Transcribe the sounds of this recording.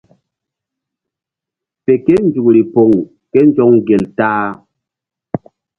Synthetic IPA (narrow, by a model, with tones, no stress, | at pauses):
pe˨ke˦n˦d͡ʒu˨kɾi˨po˨ŋ | ke˦n˦d͡ʒɔ˦ŋɡe˨ltaː˦